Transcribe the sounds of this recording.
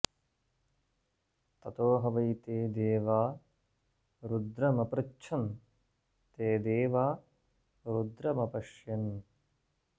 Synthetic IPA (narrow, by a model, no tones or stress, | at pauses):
t̪ɐt̪oːɦɐʋɐjt̪eːd̪eːʋaː | ɾud̪ɾɐmɐpɾɐkt͡ʃʰɐn | t̪eːd̪eːʋaː | ɾud̪ɾɐmɐpɐʃjɐn